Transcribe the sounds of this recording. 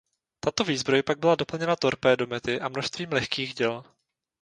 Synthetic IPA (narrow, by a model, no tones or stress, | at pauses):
t̪at̪o̞viːzbɾo̞jpaɡ̚bɪlado̞pl̩ɲɛnat̪o̞ɾpɛːdo̞mɛt̪ɪʔamno̞ʃst̪viːmlɛxkiːɣɟɛl